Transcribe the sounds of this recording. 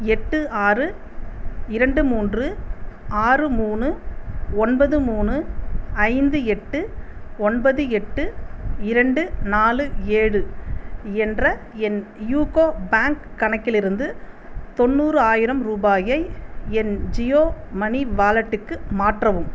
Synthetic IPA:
ɛʈːɯaːrɯ | ɪɾɐɳɖɯmuːndrɯaːrɯmuːnɯɔnbɐðɯmuːnɯɐɪnd̪ɯɛʈːɯɔnbɐðɯɛʈːɯɪɾɐɳɖɯnaːlɯeːɻɯ | ɛndrɐ | ɛnjuːkoːbaːŋkːɐɳɐkːɪlɪɾɯnd̪ɯt̪ɔnːuːrɯaːjɪɾɐmɾuːbaːjɐɪɛnd͡ʒɪjoːmɐniʋaːlɐʈːɯkːɯmaːʈrɐʋɯm

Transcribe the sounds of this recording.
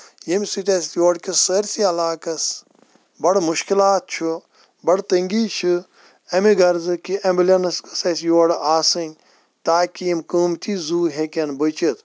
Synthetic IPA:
jimʲsit̪ʲɐst̪joːɽkisəːɾsiɐlaːkɐs | bɐɽmuʃkilaːt̪̚t͡ʃʰu | bɐɽt̪ɐŋɡiːt͡ʃʰɨ | ɐmiɡɐɾzɨkiʔɐmblʲɐnɐskɨ̥sɐsjoːɽaːsɨnʲ | t̪aːkiimkuːmt̪iːzuːɦekʲɐnbɨt͡ʃit̪

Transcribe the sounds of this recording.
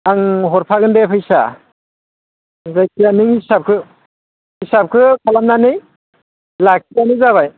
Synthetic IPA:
aŋɦɔɾpʰaɡɯndepʰɯjsa̰ | zajkʰijanɯŋhisap̚kʰɯ | hisap̚kʰɯkʰalamnanɯj | lak̚sʰijanɯzaβaj

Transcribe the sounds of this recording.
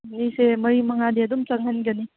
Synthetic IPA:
nisemɐɾimɐŋad̪eɐd̪umt͡sɐŋɦanɡɐni

